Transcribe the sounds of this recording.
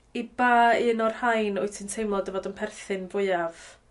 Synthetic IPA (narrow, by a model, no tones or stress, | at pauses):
ibaːiənɔrhajnʊɨtʰintʰejmlˠɔdəvɔdənpʰɛrθɨnvʊɨav̥